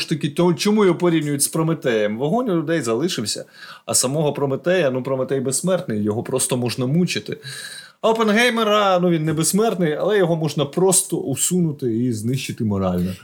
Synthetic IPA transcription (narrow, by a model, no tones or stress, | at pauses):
ʃt̪ɐkʲɪt̪t͡ʃɔmujɔpɔɾʲiwnʲʊjʊtʲspɾɔmɪt̪ɛjɛmʋɔɦɔnʲʊlʲʊd̪ɛjzɐlˠɪʃɪwsʲɐ̰ɐ̰sɐmɔɦɔpɾɔmɪt̪ɛjɐnupɾɔmɪt̪ɛjbesmɛrt̪nɪjːɔɦɔpɾɔst̪ɔmɔʒnɐmut͡ʃɪt̪ɪ̰ | ɐɔpenɦɛjmeɾɐnuʋʲinːɛbesmɛrt̪nɪjɐlˠɛjɔɦɔmɔʒnɐpɾɔst̪ɔʔusunʊt̪ɪiznɪʃt͡ʃɪt̪ɪmɔɾɑlʲnɔ